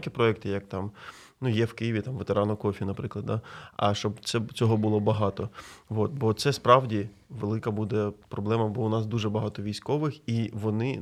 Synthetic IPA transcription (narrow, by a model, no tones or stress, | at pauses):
kʲipɾɔɛkt̪ɪjɐk̚t̪ɑm | nujɛwkɪjiʋʲit̪ɑmʋet̪eɾʔɑnɔkɔfʲinɐpɾɪklˠɐd̪̚d̪aɐ̰ʃt͡ʃɔbt̪sɛt͡sʲɔɦɔbʊlˠɔbɐɦɑt̪ɔʋot̪̚bɔt̪sɛspɾɑwdʲi | ʋelˠɪkɐbud̪ɛpɾɔblˠɛmɐbɔʊnɑsd̪uʒɛbɐɦɑt̪ɔʋʲijsʲkɔʋɪxiʋɔnɪ